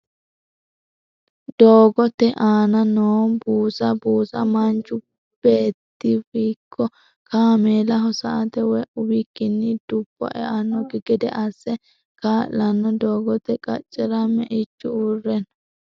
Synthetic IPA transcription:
d̪oːɡɔt̪ːɛʔaːnɐnoːbuːsɐbuːsɐmɐnt͡ʃːʊ | b̥e̞ːt̪ːɪfiːkʰːɔ | kaːmeːlɐɦɔsɐ̰ʔɐt̪ɛwɛʔʊwɪkːɪnːɪd̪ʊbːɔ̰ʔɛʔɐnːɔɡɪɡɛd̪ɛ̰ʔɐsːɛ | kaːʔlɐnːɔd̪oːɡɔt̪ɛkʼɐ̰t͡ʃʼːɛɾɐmɛʔɪt͡ʃːʊurːɛnɐ

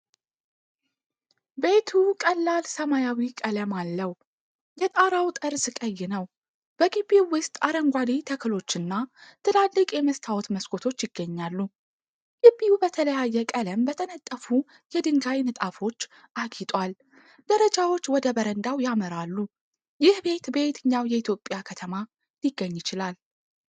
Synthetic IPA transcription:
be̞t̪ʰukʼəlːalsəmajawikʼələmalːəw | jɛt̪ʼaɾawt̪ʼɨɾsɨkʼəjːɪnəw | b̥əɡɨbːiwɨst̪ʼaɾəŋɡʷad̪it̪ʰəkʰɨlo̞t͡ʃːɨnːat̪ʰɨlalːɨkʼjɛməst̪ʰawɔt̪məskʰʼo̞t̪ʰo̞t͡ʃːjɪɡːəɲːalːu | ɡ̥ibːijubət̪ʰələjajːɛkʼələmbət̪ʰənət̪ʼːəfu | jɛd̪ɨŋɡajnɨt̪ʼafo̞t͡ʃː | ʔaɡit̪ʼwal | d̪̥əɾəd͡ʒawo̞t͡ʃːwɔd̪əbəɾənd̪awjaməɾalːu | jɪhbe̞t̪be̞t̪ʰɨɲːawjɛit̪ʰjo̞pʼjakʰət̪ʰəma | lɪɡːəɲːjɪt͡ʃɪlal

